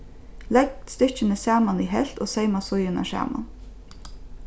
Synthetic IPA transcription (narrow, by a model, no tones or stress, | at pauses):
lɛɡ̚t̪st̪ɪt͡ʃənəsæːmaniɦɛ̰l̥t̪oːseɪmasʊjəna̰ʃæ̰ːma̰n